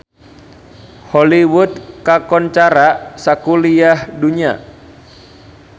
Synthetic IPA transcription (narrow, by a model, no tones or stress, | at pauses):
hɔliwut̪kakɔnt͡ʃaɾasakuliahduɲia̰